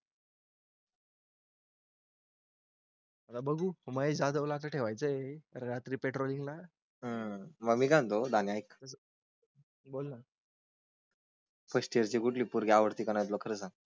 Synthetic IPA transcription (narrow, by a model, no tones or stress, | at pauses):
mət̪abəɡuːməed͡zad̪əʋlat̪əʈʰeʋajt͡səɾɾat̪ɾiːpeʈɾoliŋɡla | ɦəməɡmiːɡant̪od̪anjajkəs | bolna | pəɕʈiəɾt͡ɕiɡuʈliːpuɾɡeaʋəɾt̪iːkanajt̪̬lokʰəɾəsãŋ